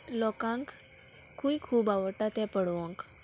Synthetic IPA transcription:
lɔkãŋk | kʰːuikʰuːbaʋəɾʈ̪at̪ɛ̃pəɽʋɔ̃ŋk

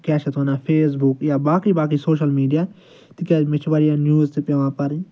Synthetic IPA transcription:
kɛːʃɐt̪onaːpʰeːs̬bʊkjaːbaːkiːbaːkiːsoːʃəlmiːɖijaː | t̪ikjaːmɪt͡ʃʰʋaɾijaːnjuːzt̪epjaʋãːpɐɾĩː

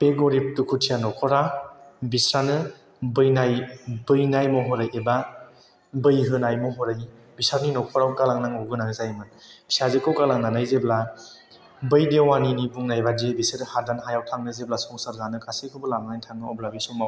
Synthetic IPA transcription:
peɡɔɾip̚tukʰutʰijanɔkʰɔɾabisɾanɯ | bɯjnajbɯjnajmɔɦɔɾɯjeba | bɯjɦɯnajmɔɦɔɾɯj | bisaɾninɔkʰɔɾawkalaŋnaŋuɡɯnaŋzajmɯnb̥i̥sazɯkɯwkalaŋnanajzebla | bɯjdewaninibuŋnajbadebiseɾhadanɦajawtʰaŋnɯzeblasɔŋsaɾzanɯkʰasekʰɯbɯlamaajtʰaŋnɯɔblabisɔmaw

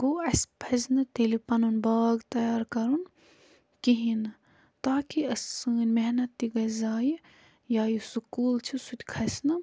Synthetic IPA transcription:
koːɐsʲpʰɐznɨt̪elipɐnunbaːɡt̪ɐjaːɾkɐɾun | kiɦin | t̪aːkiɐsɨːnʲmeɦnɐt̪ːiɡɐzaːji | jaːjisukuːlt͡ʃʰisut̪ʲkʰɐsʲnɨ

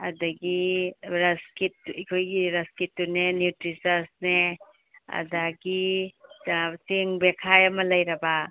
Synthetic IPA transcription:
ɐdɐɡiɾɐskit̚ɐkʰojɡiɾɐskitːunenutɾisɐsne | ɐ̰daɡi | seŋbekʰajɐmɐlɐjɾɐbɐ

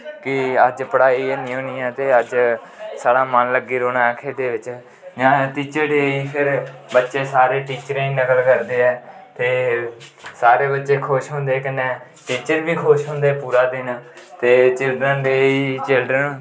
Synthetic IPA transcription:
kɪəd͡ʒpəɽaːiːeːnĩːɦõːniːãːt̪eːəd͡ʒ | saːɽaːmənləɡːiːɾoːnãːɛkʰeːd̪eːʋɪt͡ʃ | jãːʈiːt͡ʃəɾeːiːpʰɪɾbətːʃeːsaːɾeːʈiːt͡ʃəɾiːnəkəlkəɾd̪eːɛːt̪eː | saːɾeːbətːʃeːkʰoːʃɦõːnd̪eːkɪneː | ʈiːt͡ʃəɾʋiːkʰoːʃɦõːnd̪eːpuːɾaːd̪ɪnːt̪eːt͡ʃɪlɖɾənd̪eːiːt͡ʃɪlɖɾən

